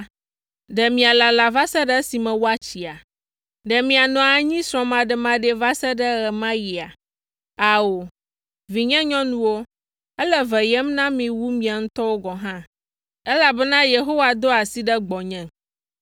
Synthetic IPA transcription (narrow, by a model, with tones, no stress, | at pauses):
ɖɛ˨mĩ˨a˨la˨la˨va˦sɛ˦ɖɛ˦si˨mɛ̃˨wo˦a˦t͡ɕi˨a˨ | ɖɛ˨mĩ˨a˨nɔ̃˨a˨ɲĩ˦sɾɔ̃˨mã˨ɖɛ˨mã˦ɖɛ˨va˦sɛ˦ɖɛ˦ɣɛ˨mã˦ji˨a˨ | a˨wo˨ | vi˨ɲɛ̃˦ɲɔ̃˦nũ˦wo˦ | ɛ˦lɛ˦vɛ˨jɛ˦mnã˦mĩ˨wu˦mĩ˨a˨ŋũ˦t̪ɔ˦wo˦ɡɔ˨ɦã˦ | ɛ˦la˨bɛ˦nã˦je˨ɦo˦wa˨d̪o˦a˨si˦ɖɛ˦ɡ͡bɔ˨ɲɛ̃˦